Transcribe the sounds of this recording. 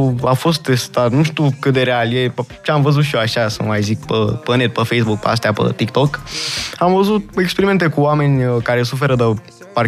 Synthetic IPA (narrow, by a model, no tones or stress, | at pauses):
afo̞st̪ːe̞st̪at̪nuʃt̪ukɨt̪d̪eɾealjet͡ʃeamvəzut̪ʃijoaʃasa̰majzik̚pəpənet̪̚pəfejsbuk̚pə̰as̬t̪eapə̰t̪ikt̪okamvəzut̪̚ekspeɾime̞nt̪e̞kuoame̞nʲkaɾe̞s̬ufe̞ɾəd̪ə | par